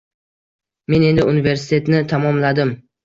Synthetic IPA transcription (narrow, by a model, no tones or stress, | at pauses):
me̞ne̞nd̪ɪunɪve̞ɾsɪ̥t̪ʰe̞t̪nɪt̪ʰamɒmlad̪ɪm